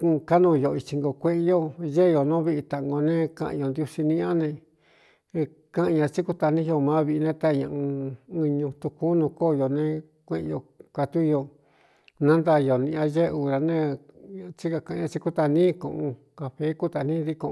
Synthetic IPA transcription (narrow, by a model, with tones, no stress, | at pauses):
ka˦nũ˧˨˧jo˧˨˧i˧t͡ʃi˧ŋɡo˧kʷẽ˦ʔe˧˦jo˦ʒe˦˧jo˨nõ˦βi˦ʔi˧t̪a˧ʔŋɡo˧nẽ˦kã̰˧˨ʔjo˧nd̪ju˧si˧nĩ˧ã˦nẽ˧ | kã˦ʔɲã˧t͡ʃi˦ku˦t̪a˧nĩ˦jo˧mã˨˦βi˧ʔi˧nẽ˦t̪a˦˧ɲã˧ʔũ˧ɨ˧ɲũ˧t̪u˧ku˦nũ˧koː˦˨˧jo˧nẽ˧ | kʷẽ˦ʔjo˧˨kʷa˧t̪u˦jo˧ | nã˦nd̪a˧jo˨nĩ˧ã˧ʒe˦˧u˧˨ɾa˧nẽ˦˧ | t͡ʃi˦ka˧kã˧ã˧t͡ʃi˧ku˦t̪a˧nĩ˦kõ̰˧ʔõ˧ | ka˧ɸe˦ku˦t̪a˧˨nĩ˦ði˦kõ˧